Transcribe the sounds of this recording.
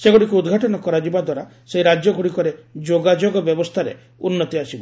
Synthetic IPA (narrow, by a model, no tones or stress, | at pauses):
seɡoɽikuud̪ɡʱaʈɔnɔkɔɾad͡ʒibad̪waɾa | seiɾad͡ʒjɔɡʱoɽikɔɾed͡ʒoɡad͡ʒoɡɔbjɔbɔst̪ʰaɾḛ | unːɔt̪iasibɔ